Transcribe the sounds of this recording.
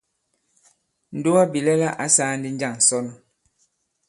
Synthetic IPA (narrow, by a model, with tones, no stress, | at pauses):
n̩˨du˦a˦bi˨lɛ˦la˦ʔa˨˦saː˦n˦di˦n˦d͡ʒa˦˨ŋ˨sɔ˦nɔ˨